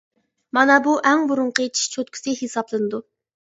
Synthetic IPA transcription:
mɑnɑbuʔɛŋbuɾʊɴqʰet͡ʃʰi̥ʃt͡ʃʰot̪kʲʰi̥sɨhesɑblˠɨnɨd̪u

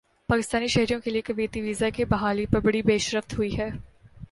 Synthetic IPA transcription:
paːkɪst̪aːniʃɐɦɾijõkeliekɐʋeːt̪iʋiːzakebɐɦaːlipɐɾbɐɽibeːʃɾəft̪ɦʊiɦɛː

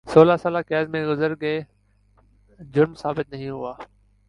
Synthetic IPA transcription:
soːlasaːlakɛːzmẽɡʊzəɾɡəe | d͡ʑʊɾmsaːbɪt̪̚nɐɦĩɦʊaː

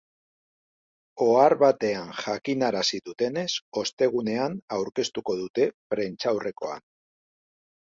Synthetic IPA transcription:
o̞aɾβat̪e̞anʝakinaɾasiðut̪e̞ne̞so̞st̪e̞ɣ̞une̞anawɾke̞st̪uko̞ð̞ut̪e̞pɾe̞nt͡ʃawrʔe̞ko̞̰a̰n

